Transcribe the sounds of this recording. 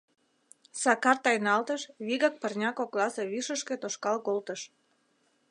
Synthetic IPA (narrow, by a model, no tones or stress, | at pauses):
sɑkɑrt̪ɑjnɑlt̪əʃβiɣɑk̚pərnʲɑkoklɑseβiʃəʃket̪oʃkɑlkolt̪əʃ